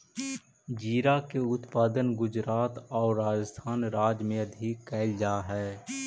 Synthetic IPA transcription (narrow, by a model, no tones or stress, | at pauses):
d͡ʒiːɾakeʊt̪paːd̪ənɡʊd͡ʒɾaːt̪ɔːɾːaːd͡ʒəst̪ʰaːnɾaːd͡ʒmẽɐd̪ʱiːkɛːld͡ʒaːɦɛː